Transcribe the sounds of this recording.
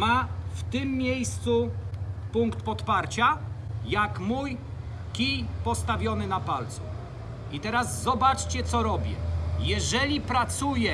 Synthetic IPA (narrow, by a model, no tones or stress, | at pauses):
maft̪ɘmːʲjejst̪supuŋkt̪pɔt̪paɾt͡ɕajakmuj | kʲijpɔst̪avʲjɔnɘnapalt̪sṵ | it̪ɛɾazːɔbat͡ʂt͡ɕɛt̪sɔɾɔbʲjɛ̰jɛʐɛlʲipɾat̪sujɛ